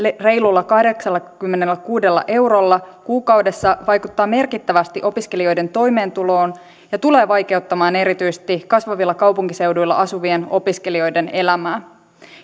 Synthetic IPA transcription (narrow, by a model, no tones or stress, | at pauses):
re̞jlulːɑkɑhde̞ksɑlːɑkymːenelːækuːde̞lːɑ̰ʔe̞wɾolːɑkuːkɑwde̞sːɑʋɑjkut̪ːɑːme̞rkit̪ːæʋæst̪iʔo̞piskelio̞jde̞nt̪o̞jme̞ːnt̪ulo̞ːn | jɑt̪ule̞ːʋɑjke̞wt̪ːɑmɑːne̞ɾit̪yjse̥t̪ikɑsʋɑʋilːɑkɑwpuŋkise̞wdujlːɑ̰ʔɑsuʋie̞no̞piske̞lio̞jde̞ne̞læmæː